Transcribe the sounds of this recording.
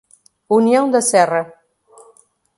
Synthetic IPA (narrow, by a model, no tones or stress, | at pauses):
uniõw̃d̪ɐsɛrɐ